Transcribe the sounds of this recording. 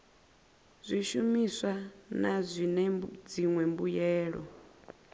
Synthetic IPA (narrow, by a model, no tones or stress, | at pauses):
zʷiʃumisʷanazʷinɛd͡ziŋwɛmbujɛːɺɔ̰